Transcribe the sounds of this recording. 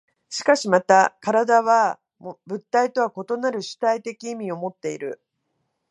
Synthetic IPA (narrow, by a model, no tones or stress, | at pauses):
ɕi̥kaɕimat̪akaɾad̪aβ̞a | mbɯ̟t̪ːait̪o̞βako̞t̪o̞naɾɯ̟ɕɨ̥t̪ait̪e̞kʲiːmʲio̞mo̞t̪ːe̞iɾɯ̟̰